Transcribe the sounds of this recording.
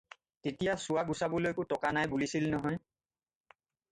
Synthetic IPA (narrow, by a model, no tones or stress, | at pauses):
tetijasʊwaɡusabolojkʊtɔkanajbulisilnɔɦɔj